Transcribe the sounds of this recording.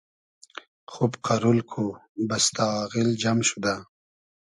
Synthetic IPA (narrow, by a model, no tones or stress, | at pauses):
xubqaɾulkʰobast̪ɑɣild͡ʒamʃud̪a